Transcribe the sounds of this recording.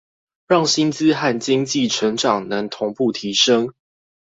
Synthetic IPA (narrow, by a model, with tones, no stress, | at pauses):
ɻɑ˥˨ŋɕi˦˥nt͡sɹ̩˦xa˥˨nt͡ɕi˦˥ŋt͡ɕi˥˨ʈ͡ʂʰə˧˥ŋʈ͡ʂɑ˨˩ŋnə˧˦ŋt̪ʰʊ˧˥ŋpu˥˨t̪ʰi˨˥ʂə˦ŋ